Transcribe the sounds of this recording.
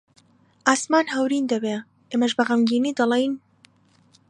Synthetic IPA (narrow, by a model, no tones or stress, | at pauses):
ʔaːsmaːnɦɐwɾiːnd̪ɐbeː | ʔeːmɐʒbɐɣɐmɡiːniːd̪ɑlˠejn